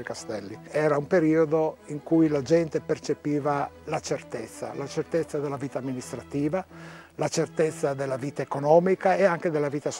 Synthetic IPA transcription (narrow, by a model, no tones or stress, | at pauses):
ikast̪ɛlːiɛːɾaumpeɾiːod̪oiŋkujlad͡ʒɛnt̪epert͡ʃepiːvalat͡ʃert̪et̪sːa̰lat͡ʃert̪et̪sːad̪elːaviːt̪aːmːinist̪ɾat̪iːva | lat͡ʃert̪et̪sːad̪elːaviːt̪aekonɔːmikaeaŋk̟ed̪elːaviːt̪as